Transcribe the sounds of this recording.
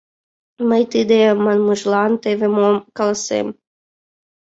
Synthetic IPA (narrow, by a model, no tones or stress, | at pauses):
məjt̪ɨd̪emɑnmuʒlˠɑnt̪evemomkɑlˠsḛm